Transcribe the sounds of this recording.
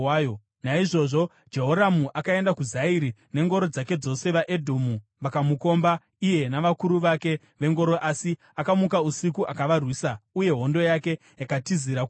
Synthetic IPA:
jo | naiʐo̞ʐo | d͡ʒe̞ɦo̞ɾamuʔakae̞ndakuzaiɾine̞ŋɡo̞ɾo̞d͡zake̞d͡zo̞se̞ʋaʔedʱomuʋakamuko̞mba | ije̞naʋakuɾuʋake̞ | ʋe̞ŋɡo̞ɾo̞ʔasi | akamukausikuʔakaʋarwiːsauje̞ɦo̞ndo̞jake̞ | jakatiziɾa

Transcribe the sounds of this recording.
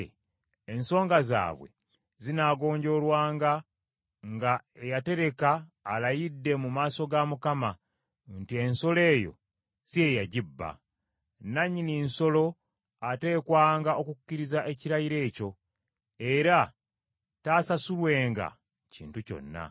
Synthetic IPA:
enso̞ːŋɡaza̰ːβwe̞̰ | zinaːɡo̞ːɲɟo̞lwaːŋɡa | ŋɡaejate̞ɾe̞kaːlajidːe̞mumaːso̞ɡamukama | ntie̞nso̞le̞ːjo̞̰ | sie̞jaɟibːa̰ | naɲːininso̞lo̞ | ate̞ːkwaːŋɡao̞kukucːiɾizaʔe̞ciɾajiɾe̞ːco̞ | e̞ɾa | taːsasulwe̞ːŋɡa̰ | cḭːntuco̞̰nːa̰

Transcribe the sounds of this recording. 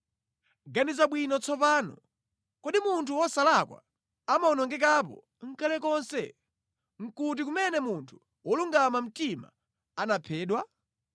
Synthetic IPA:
ɡanizaɓwinɔt͡sʰɔp̬aːnɔ̰ | kɔɗimuntʰuwɔsalakwa̰ | amaɔnɔŋɡɛkap̬ɔ̰ | ŋ̩kalɛkɔnsɛ | ŋ̩kut̬ik̬umɛnɛmuntʰu̥ | wɔluŋɡamam̩tima̰ | anapʰɛːɗwa

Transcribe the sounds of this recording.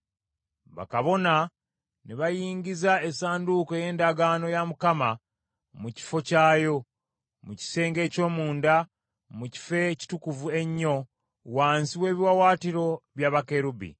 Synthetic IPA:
βa̰kaβo̞na | neβajiːɲɟizaesaːnduko̞je̞ːndaɡaːno̞jamukama | muci̥fo̞caːjo̞ | muci̥se̞ːŋɡe̞ːco̞ːmuːnda | muci̥fe̞ci̥tukuvue̞ɲːo̞ | waːnsiwe̞ːβiwawaːtiɾo̞βjaːβake̞ɾubḭ

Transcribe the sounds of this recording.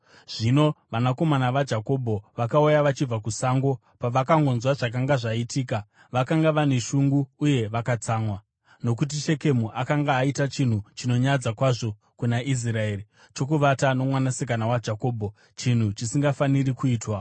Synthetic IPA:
ʐ̥ino̞ʋanako̞manaʋad͡ʒako̞bʱo̞ʋakaujaʋat͡ʃib͡vakusaːŋɡo̞ | paʋakaŋɡo̞nzwaʐak̬aŋɡaʐaitiːka | ʋakaŋɡaʋane̞ʃuŋɡuːje̞ʋakat͡saːŋwa | no̞k̬ut̬iʃe̞ke̞muʔakaŋɡaːitat͡ʃin̤ut͡ʃino̞ɲad͡zakwaʐo̞ | kunaʔis̬rae̞ri | t͡ʃo̞k̬uʋatano̞mwanasik̬anawad͡ʒako̞ːbʱo̞ | t͡ʃin̤ut͡ʃisiŋɡafanirikuiːtwa

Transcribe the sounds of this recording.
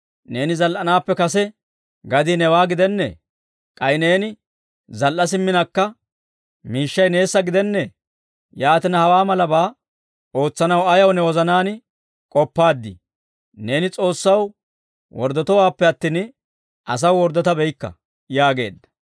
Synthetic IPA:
ne̞ːnɪzɐlʔɐnaːpːɛkɐsɛ | ɡɐd̪iːnɛwaːɡɪd̪ɛnːɛ̰ | kʼɐjne̞ːnɪ | zɐlʔɐs̬ɪmːɪnɐkːɐ | miːʃːɐjne̞ːsːɐɡɪd̪ɛnːɛ | jaːt̪ɪnɐhɐwaːmɐlɐbaː | o̞ːt͡sːɐnɐwɐjɐwnɛwɔzɐnaːnɪ | kʼɔpːaːd̪ːɪ̰ | ne̞ːnɪt͡sʼo̞ːsːɐw | wɔ̰ɾd̪ɔt̪ɔwaːpːɛɐt̪ːiːn | ɐs̬ɐwwɔɾd̪ːɔt̪ɐbɛjkːɐ̰ | jaːɡe̞̰ːd̪ːɐ̥

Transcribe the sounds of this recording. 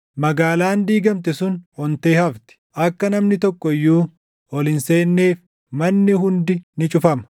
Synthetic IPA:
mɐɡaːlaːnd̪iːɡɐmt̪̬ɛsʊnɔnt̪e̞ːhɐft̪ɪ̥ʔɐkːɐnɐmnɪt̪ɔkːɔɪjːuː | ɔlɪnse̞ːnːe̞ːf | mɐnːɪɦʊnd̪ɪnɪt͡ʃʼʊfɐmɐ̥

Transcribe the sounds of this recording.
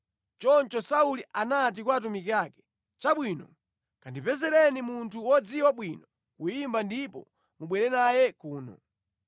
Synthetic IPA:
t͡ʃɔnt͡ʃɔsauliʔanat̬ikwaːt̬umikiakɛ̥ | t͡ʃaɓwiːnɔ | kandipɛzɛɾɛnimuntʰuwɔd͡ziwaɓwinɔ | kujimbandipɔ̰ | muɓwɛɾɛnajɛkuːnɔ̰

